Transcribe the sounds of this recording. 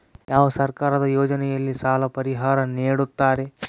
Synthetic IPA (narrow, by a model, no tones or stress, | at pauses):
jaːʋɐsɐɾkaːɾɐd̪ɐjoːd͡ʒɐnɛjɐlːisaːlɐpɐɾiɦaːɾɐniːɽut̪ːaːɾe̞